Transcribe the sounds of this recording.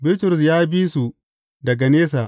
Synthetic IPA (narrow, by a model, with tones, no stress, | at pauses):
bɪ˦ltʊ˨ɾʊ˨s̬jaː˦biː˦su˨ | dɐ˨ɡa˨neː˦s̬a˨ʔ